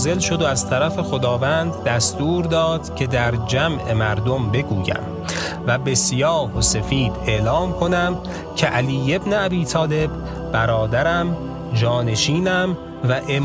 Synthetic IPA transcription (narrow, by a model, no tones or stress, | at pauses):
ze̞lʃo̞d̪oæzt̪ʰæɾæfe̞xo̞d̪ɒːvænd̪ːæst̪uːɾd̪ɒːd̪̥cʲʰe̞d̪æɾd͡ʒæmʔe̞mæɾd̪o̞mbe̞ɡuːjæ̰m | væbe̞sijɒːhosefiːd̪e̞ʔlɒːmkʰo̞næm | cʰe̞ʔæliːje̞bneæbiːt̪ʰɒːle̞bː | æɾɒːd̪æɾæm | d͡ʒɒːne̞ʃiːnæm | væʔe̞